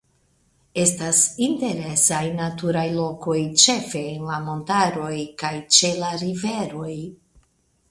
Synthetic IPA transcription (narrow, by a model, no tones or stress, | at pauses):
e̞stasinte̞ɾe̞sajnatuɾajlo̞ko̞jt͡ʃe̞fe̞ːnlamo̞ntaɾo̞jkajt͡ʃe̞laɾive̞ɾo̞j